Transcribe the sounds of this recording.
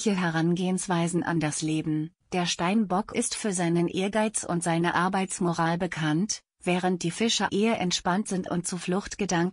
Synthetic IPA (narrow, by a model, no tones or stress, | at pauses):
çəɦɛʁanɡeːənsv̥aɪzn̩ʔa̰ndasleːbm̩ | d̥eːɐʃtaɪmbɔkʔɪstfyːɐzaɪnənʔeːɐɡaɪt͡sʊ̰ntz̥aɪnəʔaɐbaɪt͡smoʁaːlbəkʰant | v̥ɛːʁ̞ənt̚d̥iːfɪʃɐʔeːɐʔɛ̰ntʃpantz̥ɪntʊ̰nt̚t͡suːflʊxtɡ̥ədaŋk